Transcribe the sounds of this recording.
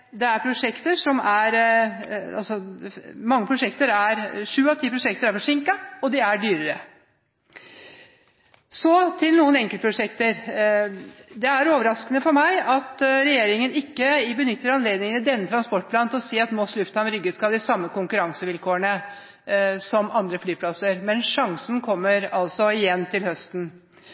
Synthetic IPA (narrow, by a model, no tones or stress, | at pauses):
d̪ɛæɾpʰɾʊʂɛkt̪əʂɔmæɾ | ɑ̰lsɔmɑŋːəpʰɾʊʂɛkt̪əɾæɾʂʉːɑʋt̪ʰiːpʰɾʊʂɛk̚t̪əɾæɾfɔʂɪŋkɑɔd̪ɪæɖyːɾəɾə | sɔt̪ʰɪlnuːənɛŋkələpʰɾʊʂɛkt̪əɾ | d̪ɛæɾoːʋəɾɑskənəfɔɾmæɪɑt̪ɾɛjeːɾɪŋənɪkːəbənʏt̪ːəɾɑnleːd̪nɪŋənɪd̪ɛnːət̪ʰɾɑnspɔʈ̚ːpʰlɑːnt̪ʰɔseːɑt̪moːslʉft̪ɑnɾʏɡːəskɑld̪ɪsɑmːəkʊŋkʉɾɑŋsəʋɪlkʰoːəɳə | sɔmʔɑnd̪ɾəflyːpʰlɑsəɾmɛnʂɑŋsn̩kʰɔmːəɾɑlsɔɪjɛnːt̪ʰɪlhœst̪n̩